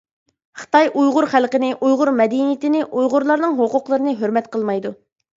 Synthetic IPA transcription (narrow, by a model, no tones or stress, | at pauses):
χə̥t̪ɑjʔujʁʊɾχælˠqənɪʔujʁʊɾmɛd̪inijit̪ɪnɪʔujʁʊɾlˠɑɾnɨŋɦoqʊqlˠəɾɨnɨɦøɾmɛt̪qʰəlˠmɑjd̪u